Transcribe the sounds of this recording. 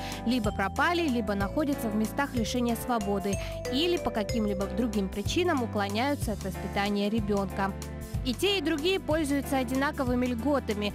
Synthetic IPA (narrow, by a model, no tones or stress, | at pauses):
lʲibəpɾɐpalʲɪlʲibənɐxo̞dʲət̪səvmʲɪst̪axlʲɪʂɛnʲɪjəsvɐbo̞d̪ɨ | ilʲɪpəkɐkʲimlʲibəd̪ɾʊɡʲimpɾʲɪt͡ɕinəmʊklˠɐnʲæjʊt̪səɐt̪vəspʲɪt̪anʲɪjəɾʲɪbʲo̞nkə | itʲeɪd̪ɾʊɡʲijəpo̞lʲzʊjʊt̪səɐdʲɪnakəvɨmʲɪlʲɡo̞t̪əmʲɪ